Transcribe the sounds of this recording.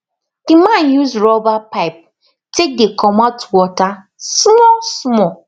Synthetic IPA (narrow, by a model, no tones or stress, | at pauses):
d̥imãnjuzɹɔbapaɪp̚ | tek̚dekʰɔmatwɔta | smɔsmɔ